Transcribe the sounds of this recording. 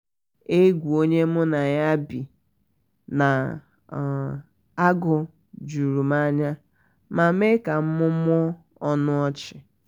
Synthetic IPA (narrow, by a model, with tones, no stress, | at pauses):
e˦ɡʷu˨o˦ɲe˦mʊ˦na˨ja˦bi˨ | na˨ | a˦ɡʊ˨ | d͡ʒu˨ɾu˨ma˦ɲa˦ | ma˨˦me˦ka˨m̩˦mʊ˦mʷ˦ɔ˦ | ɔ˦nʊ˦ɔ˦t͡ʃɪ˨